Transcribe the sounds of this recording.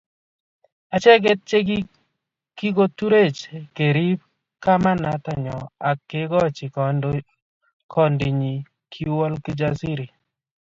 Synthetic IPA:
a˨t͡ʃɛ˦ɡe˦t̚t͡ʃe˦ɡi˦ | ki˦ɡo˦tu˦ɾe˦˨t͡ʃke˨ɾi˦b̚ | ka˦ma˦na˨ta˦ɲɔ˨a˨kːe˦ɡɔ˦t͡ʃɪ˨ | kʰɔ˨ndi˨ɲi˨ | kʰi˦wɔ˦lkɪ˦d͡ʒa˦si˦ɾi˨

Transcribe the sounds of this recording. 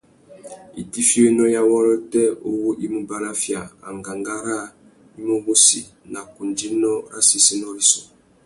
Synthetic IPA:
ḭ˨ti˦fi˦o˦nɔ˦ja˦wɔ˦lɔ˦tɛ˦o˦wo˦ʔi˦mu˦ba˨ɾa˦fja˨a̰˨ŋɡa˨ŋɡa˦ɾa˦˨ | i˦mo˦bo˦si˨ | na˨ku˨nd͡ʒi˦nɔ˦ɾa˦si˨si˦nɔ˦ɾi˦sɔ˨

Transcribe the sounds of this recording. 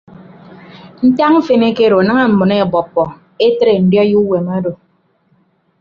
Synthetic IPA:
n̩˦ta˦ŋ̩˦fe˨ne˦ke˦ɾo˨a˨nɨ˦ŋa˦m̩˨mɨ˨ne˦˨bɔ˨pːɔ˨ | e˦tɾe˨n̩˨˦djɔ˦ju˦we˨ma˦do˨

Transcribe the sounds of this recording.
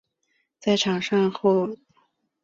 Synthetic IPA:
t͡sa˥˩ɪʈ͡ʂʰɑ˨˩ŋʂɑ˥˧ŋxo˥˩ʊ

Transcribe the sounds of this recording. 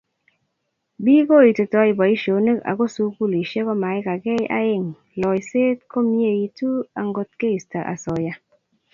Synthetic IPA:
biː˦ko˦˨i˨te˨tɔ˧˦i˨bɔ˨i˦ʃo˨˦ne˦ka̰˨ko˦su˦ku˦˨li˨ʃe˦kɔ˦ma˨i˦ka˨ke˦jʔa̰˦je˦˨ŋ | lɔ˨i˨se˦t̚ko˦m˦e˦˨ji˨˦tu˦a˨ŋɡo˦tke˦i˨sta˨ʔa̰˨sɔ˨ja˦

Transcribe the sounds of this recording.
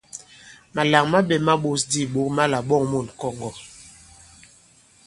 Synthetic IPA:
ma˨la˨ŋma˦ɓɛ˨ma˦ɓo˦sdi˦˨ɓo˨˦k̚ma˦la˨ɓɔ˦˨ŋmo˨nkɔ˦ŋɡɔ˨

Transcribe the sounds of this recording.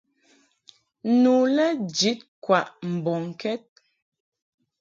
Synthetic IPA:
nu˨lɛ˦d͡ʒi˨˦t̚kwa˨ʔm̩˨bɔ˨ŋ˨kɛ˦t̚

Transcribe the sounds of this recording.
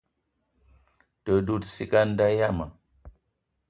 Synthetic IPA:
tə˨du˦˨tsi˦ka˦n̩˦da˦ja˦˨ma˨

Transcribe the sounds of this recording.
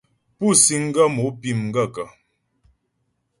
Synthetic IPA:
pu˦˨si˦ŋ̩˦ɡə˦mo˨˦pi˦˨m̩˨ɡə˦˨kə˨

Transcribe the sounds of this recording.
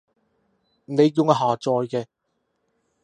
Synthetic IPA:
ne˨˧jːʊ˨˧ŋ˧ɦaː˨˩t͡sɔː˨˧jkɛː˧

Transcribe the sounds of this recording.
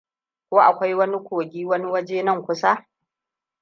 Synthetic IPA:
kʷoː˦ʔa̰˨kʷa˦jwɐ˦ni˦kʷoː˨ɡʲiː˦wɐ˦ni˦wɐ˦d͡ʒeː˦nɐ˦˨ŋkʷʊ˦sa˦

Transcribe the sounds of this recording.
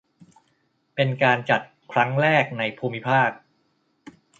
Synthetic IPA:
pe˧nkaː˧nt͡ɕa˨˩t̪̚kʰɾa˦˥ŋɾɛː˥˩k̚na˧jpʰuː˧mi˦˥pʰaː˥˩k̚

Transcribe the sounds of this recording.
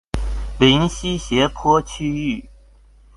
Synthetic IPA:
li˧˥nɕi˥ɕjɛ˧˥pʰɔ˥t͡ɕʰy˥y˥˩

